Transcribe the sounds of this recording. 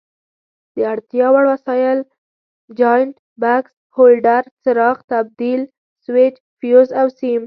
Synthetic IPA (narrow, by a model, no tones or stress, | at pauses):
d̪̥əaɽt̪jɑwaɽwasɑjɪl | d͡ʒɑjɳʈ | baks | holɖaɾsɪɾɑxt̪ab̚d̪il | swɪt͡ʃ | fjozawsim